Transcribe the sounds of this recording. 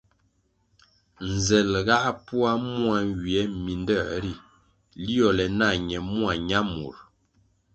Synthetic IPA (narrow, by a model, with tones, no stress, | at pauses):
n˨zɛ˨lɣa˦pu˦a˦mu˦a˨ŋ˦ɡi˨ɛ˨˦mi˨ndɛ˦˨ɾi˦˨ | li˦ɔ˨lɛ˨na˦˨ɲɛ˨mu˦a˨ɲa˦mṵ˨ɾ